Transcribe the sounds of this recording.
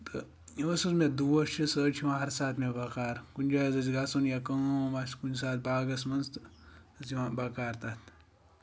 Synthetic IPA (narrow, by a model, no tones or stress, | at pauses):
t̪ɨ | iʋɐsuzmed̪uwɐt͡ʃʰisəːt͡ʃʰiʋãːɦɐɾsaːt̪ʰmebakaːɾkunʲd͡ʒaːɐzɐziɡasunjakɐŋomaskunsaːt̪̚baːɡɐsmɐnst̪ziʋãbakaːɾt̪at̪ʰ